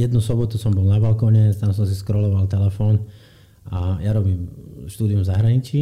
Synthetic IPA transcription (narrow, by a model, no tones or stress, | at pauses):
jɛd̪nusɔbɔt̪usɔmbɔlnabalkɔɲɛt̪ams̬ɔms̬iskɾɔlɔʋalt̪ɛlɛfɔːn | ajaɾɔbiːmʃt̪uːd̪iumzaɦɾaɲit͡ʃi